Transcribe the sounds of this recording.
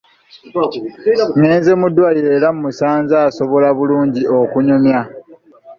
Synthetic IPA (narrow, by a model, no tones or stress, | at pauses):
ŋeːnzemudːwajeːɾammusaːnzaːso̞βo̞laβuluːɲɟiokuɲomja